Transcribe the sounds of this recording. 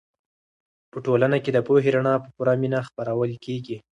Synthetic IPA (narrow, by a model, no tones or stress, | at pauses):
pəʈolanaked̪əpoɦeɾaɳɑpəpuɾaminaxpaɾawəlkeɡi